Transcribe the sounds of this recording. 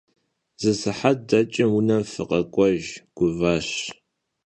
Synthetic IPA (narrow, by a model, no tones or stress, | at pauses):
z̥ɨsɨħat̚dɐt͡ʃʼɪmwʊnɐmfɨqʼɐkʷʼɔʒɡ̥ʷʊvɐɕ